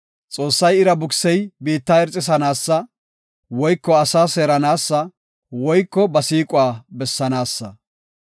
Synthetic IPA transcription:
t͡sʼo̞ːsːɐjɪɾɐbʊksɛjbiːt̪ːaːɛɾt͡sʼːɪs̬ɐnaːsːɐ | wɔjkːɔɐsaːseːɾɐnaːsːɐ | wɔjkːɔbɐsiːkʼʊwaːbɛsːɐnaːsːɐ

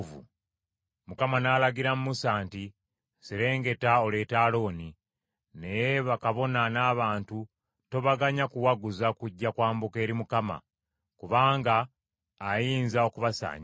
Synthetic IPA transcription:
vṵ | mukamanaːlaɡiɾamumusaːnti | siɾe̞ːŋɡe̞tao̞le̞ːtaːlo̞ːni | ne̞jeβakaβo̞nanaːβaːntu | to̞βaɡaɲakuwaɡuzakuɟːakwaːmbuke̞ːɾimukama̰ | kuβaːŋɡaː | jiːnzao̞kuβasa̰ːɲ

